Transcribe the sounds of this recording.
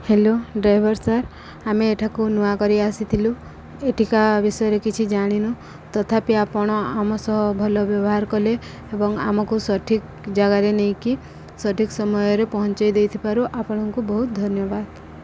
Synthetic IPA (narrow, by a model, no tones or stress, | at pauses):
heloɖɾajbʱɔɾsaɾ | ameːʈʰakunuakɔɾiasit̪ʰilu | eʈʰikabisɔjɔɾekit͡ʃʰid͡ʒaɽ̃inu | t̪ɔt̪ʰapiapɔɽ̃ɔamɔsɔɦɔbʱɔlɔbjɔbɔɦaɾkɔle | ebɔŋa̰mɔkusɔʈʰik | d͡ʒaɡaɾenej̃ki | sɔʈʰiksɔmɔjɔɾepɔɦɔnt͡ʃajd̪ejt̪ʰibaɾuʔapɔɽ̃ɔŋkubɔɦut̪̚d̪ʱɔnjɔbad̪